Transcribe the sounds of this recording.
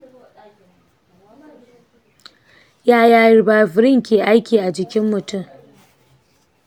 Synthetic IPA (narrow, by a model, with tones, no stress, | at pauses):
jaː˦jaː˦jɪ˦rbaː˦fɪ˨ɾɪ˦˨ŋkʲeː˨ʔa˦jkʲiː˨ʔa˨d͡ʒɪ˨kʲɪ˦mːʊ˨tʊ˦˨m